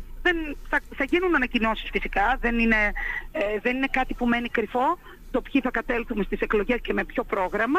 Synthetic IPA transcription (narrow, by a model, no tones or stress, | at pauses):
ðenθɐθɐʝinunɐnɐcino̞si̥sfisikɐðe̞nine̞eðe̞nine̞kɐt̪ipume̞nikɾifo̞ | t̪o̞pçiθɐkɐt̪e̞lθume̞st̪ise̞klo̞ʝe̞sce̞me̞pço̞pɾo̞ɣɾɐmɐ